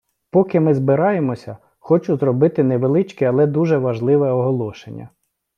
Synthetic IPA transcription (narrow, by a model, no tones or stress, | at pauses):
pɔkɪmɪzbɪɾɑjemɔsʲɐ | xɔt͡ʃʊzrɔbɪt̪ɪnɛʋelˠɪt͡ʃkɛɐlˠɛd̪uʒɛʋɐʒlˠɪʋɛɔɦɔlˠɔʃenʲːɐ̰